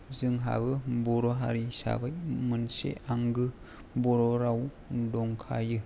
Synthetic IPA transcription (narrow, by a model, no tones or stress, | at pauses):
zɯŋɦa̰bɯbɔɾɔɦa̰ɾisa̰bajmɯnsḛaŋɡɯ | bɔɾɔɾaw | dɔŋkʰajɯ